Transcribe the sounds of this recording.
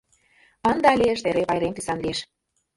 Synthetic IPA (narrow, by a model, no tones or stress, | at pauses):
ənd̪ɑɑlʲeəʃt̪eɾepɑjɾemt̪isɑnlieʃ